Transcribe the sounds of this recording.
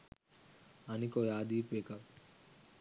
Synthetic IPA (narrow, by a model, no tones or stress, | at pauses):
anikojaːd̪ipeka